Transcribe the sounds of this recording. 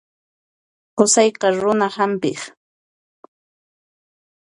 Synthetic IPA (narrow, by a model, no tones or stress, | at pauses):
qʊsɑjqɑɾʊnahampɪχ